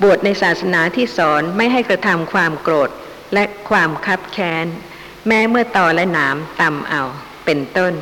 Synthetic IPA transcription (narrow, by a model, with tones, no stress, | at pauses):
bu˨˩ət̪̚na˧jsaː˨˩t̪̚sa˧naː˩˦t̪ʰiː˥˩sɔː˩˦nma˥˩jɦa˥˩jkɾa˧t̪ʰa˧mkʰwaː˧mkɾoː˨˩t̪̚ | lɛ˦˥kʰwaː˧mkʰa˦˥p̚kʰɛː˦˥n | mɛː˦˥mɯ˥˩ɐt̪ɔː˧lɛ˦˥naː˩˦˥mt̪a˧mʔa˧w | pe˧nt̪o˥˩n